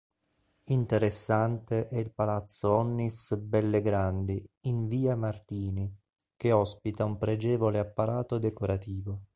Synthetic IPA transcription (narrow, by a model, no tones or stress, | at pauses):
int̪eɾesːant̪eʔɛilpalat̪sːoɔnːisbɛlːeɡɾand̪iiɱviːamart̪iːni | keɔspit̪aumpɾed͡ʒɛːvoleapːaɾaːt̪od̪ekoɾat̪iːvo